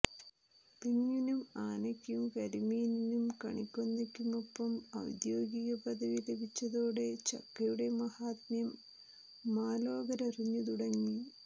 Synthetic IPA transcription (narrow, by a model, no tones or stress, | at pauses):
piŋːinumaːnɐkʲːumkɐɾimijninumkɐ̰ɳikʲːonːɐkʲːumopːɐmɐ̰wd̪jo̞ːɡiɣɐpɐðɐʋilebʱit͡ɕːɐðoːɽe̞t͡ɕɐ̰kːɐjuɽe̞mɐhaːt̪mjɐmː | aːlo̞ːɡɐɾɐriɲːut̪uɽɐŋːi